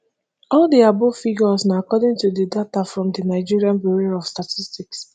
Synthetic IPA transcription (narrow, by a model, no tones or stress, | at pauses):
ɔldiabofiɡɔsnaakɔdĩŋtudidatafɹɔ̃mdinaɪd͡ʒiɹiãnbiɹiɔfstatʰistiks